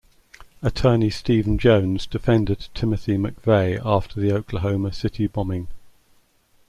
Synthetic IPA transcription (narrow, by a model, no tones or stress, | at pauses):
ətʰɜːnistiːvə̃nd͡ʒə̃ʊ̃nzdɪfɛ̃ndɪd̚tʰɪməθiməkv̥eɪʔɑˑftʰəðiəʊkʰləɦəʊməsɪtʰibɒmɪ̃ŋ